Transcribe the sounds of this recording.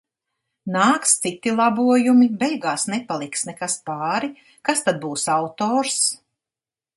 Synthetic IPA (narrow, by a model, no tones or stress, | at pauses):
naːkst̪sit̪ilˠabuɔjumibɛjɡaːsnɛpalˠiksnɛkaspaːɾi | kast̪ad̪̚buːsawt̪ɔːɾs